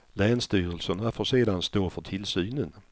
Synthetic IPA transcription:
lɛːnst̪yːɾəlsənafoʂeːd̪anst̪oːfœʈʰɪlsyːnən

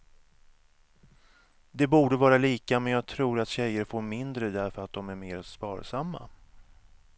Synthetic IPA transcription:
d̪ɛbuːɖəvɑːɾaliːkamɛnjɑːɡ̚t̪ʰɾuːɾat̪ɕɛjːəɾfoːɾmɪnd̪ɾəd̪æɾfœɾat̪̚d̪ɔmæɾmeːɾspɑ̰ːɾsamːa̰

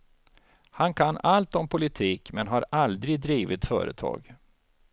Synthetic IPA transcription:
hankʰanːalt̪ɔmpʰʊlɪt̪ʰiːkmɛnɦaɾald̪ɾɪd̪ɾiːvɪt̪fœ̰ːɾə̰t̪ʰɑ̰ːɡ

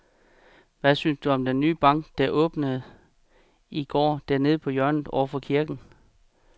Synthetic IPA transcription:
ʋæsynsd̥uɒ̽md̥enːyːb̥ɑ̈ŋ̰ɡ̥d̥æʔɔ̽ːb̥nəð̩ˠ | iɡ̥ɒ̰ːd̥æɐne̝ð̞̩ˠpʰɒ̽jɶɐ̰nð̩ˠɒʊ̰ɐfɒkʰiɐɡ̥n̩

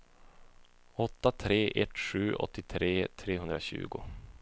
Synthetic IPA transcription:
ɔt̪ːat̪ʰɾeːʔɛt̪ʂʉ̟ːʔɔ̰t̪ːɪt̪ʰɾeːt̪ʰɾeːɦɵnd̪ɾaɕʉ̟̰ːɡʊ̰

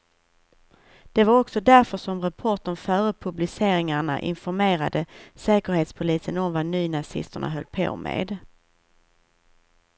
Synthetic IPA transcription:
d̪̥ɛvaɾɔksɔd̪æɾfœʂɔmɾapʰɔʈɔmfœːɾəpʰɵblɪseːɾɪŋaɳa̰ʔɪ̰nfɔɾmeːɾad̪əsɛːkəɾheːt̪spʰʊliːsənɔmvanyːnasɪ̰st̪əɳa̰ɦœlːpʰo̰ːmḛːd̪

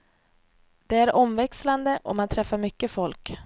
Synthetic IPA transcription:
d̪̥ɛæɾʔɔmvɛksland̪əʔɔmant̪ʰɾɛfːaɾmʏkːəfɔlk

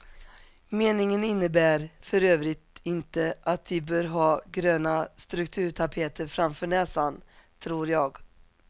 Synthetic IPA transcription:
meːnɪŋənɪnːəbæːɾfœɾøːvɾɪt̪ɪnt̪əʔat̪vɪbœːɾɦɑːɡɾøːnast̪ɾɵkt̪ʰʉ̟ːʈ̪ʰapʰeːt̪ʰəɾfɾamfœːɳɛːsant̪ʰɾuːɾjɑːɡ

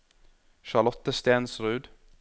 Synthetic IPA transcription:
ʃɑɭɔt̪əst̪eːnsɾʉːd̪

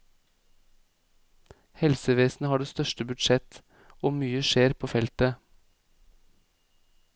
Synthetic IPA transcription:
hɛlsəʋeːsn̩əhɑːɖeːst̪œʃʈəbʉd̪ʃɛt̪ | oːmyːəʃeːɾpʰoːfɛlt̪ə

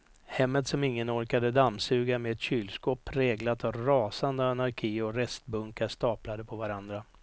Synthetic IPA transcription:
hɛmːət̪sɔmɪŋːənɔɾkad̪əd̪amːsʉ̟ːɡamɛɛt̪ɕyːlskɔpʰːɾɛːɡlat̪avɾɑːsand̪əanaɾkʰiːɔɾɛst̪bɵŋkaʂt̪ɑːplad̪əpʰɔvaɾand̪ɾa

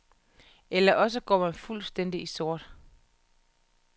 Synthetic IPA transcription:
elɐʔɒ̽s̬əɡ̥ɒ̰mænfulsd̥en̰d̥iiso̝ɐ̰d̥

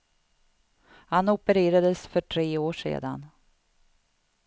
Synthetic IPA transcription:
hanʊpəɾeːɾad̪əsfœʈʰɾeːoːʂḛːd̪a̰n

